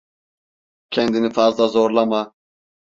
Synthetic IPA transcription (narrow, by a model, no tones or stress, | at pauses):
cʰɛnd̪inifazlˠazoɾlˠama